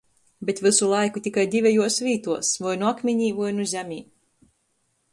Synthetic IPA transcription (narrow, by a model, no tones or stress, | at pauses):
bʲet̪vɨsulˠajkut̪ʲikajd̪ʲivʲɛjuɔsvʲiːt̪uɔsvɔjnuakmʲiɲiːvɔjnuzʲæmʲiː